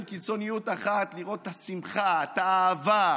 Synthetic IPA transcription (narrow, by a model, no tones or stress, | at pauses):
lkit͡so̞nijut̪aχat̪liʁo̞t̪ːasimχat̪aːva